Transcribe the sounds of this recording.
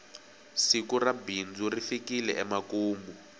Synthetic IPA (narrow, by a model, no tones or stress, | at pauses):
sikurabind͡zurifikilɛ̰ʔɛmakuːmbu